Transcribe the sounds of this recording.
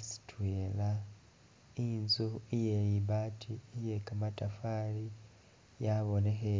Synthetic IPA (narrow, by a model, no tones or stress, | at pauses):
si̥twela | inzuijeliβaːtʰijekamatafaːli | jaβonexe